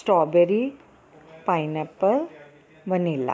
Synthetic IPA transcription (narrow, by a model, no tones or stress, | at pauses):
sʈɾɔbeɾi | pajnapəl | ʋənilːa̰